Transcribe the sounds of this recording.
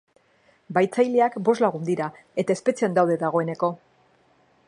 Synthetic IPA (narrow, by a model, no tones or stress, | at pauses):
bajt͡sajleakbo̞zlaɣ̞und̪iɾa | e̞t̪ae̞spe̞t͡siand̪awðe̞ðaɣ̞o̞e̞ne̞ko̞